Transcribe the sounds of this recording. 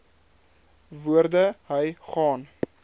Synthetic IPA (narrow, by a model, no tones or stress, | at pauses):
vuərdəɦəjχɑːn